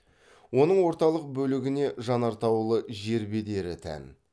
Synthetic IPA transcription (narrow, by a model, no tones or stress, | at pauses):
wo̞nəɴwo̞ɾt̪ɑlˠəq̚bɵlɪɡʲɪne̞ʒɑnɑɾt̪ɑwlˠəʒe̞ɾbe̞d̪e̞ɾɪt̪ʰæ̰n